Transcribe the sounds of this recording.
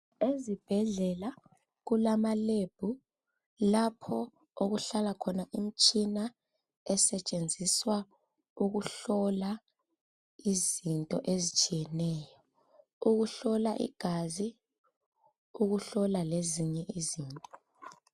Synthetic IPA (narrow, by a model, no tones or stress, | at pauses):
ezib̥ʱɛɮɛla | ɣulamaleb̥ʱu | lapʰɔ | oɣuɬalakʰɔnaʔim̩t͡ʃʼina | ɛsɛt͡ʃʼend͡zʱiswa | uɣuɬɔla | izintʼɔʔezit͡ʃʼijɛnɛːjɔ | uɣuɬɔlaʔḭɡ̥ʱazi | uɣuɬɔlaleziɲɛʔiziːntʼɔ̥